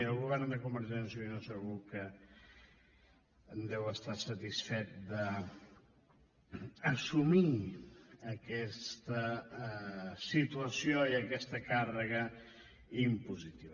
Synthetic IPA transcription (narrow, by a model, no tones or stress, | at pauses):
əlˠɣuβɛrnd̪əkumbəɾʒɛnsiinosəɣukə | nd̪ɛwəst̪asət̪isfɛt̪̚d̪ə | əsumi | əkɛst̪ə | sit̪uəsioiəkɛst̪əkarəɣə | impuzit̪iβ